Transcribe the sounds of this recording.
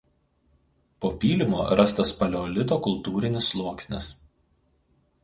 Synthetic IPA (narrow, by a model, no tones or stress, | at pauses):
poːpʲiːlʲɪmoːɾɐst̪ɐspɐlʲoːlʲɪt̪̬oːkʊlˠt̪uːɾʲɪnʲɪslˠuɔksʲnʲɪ̰s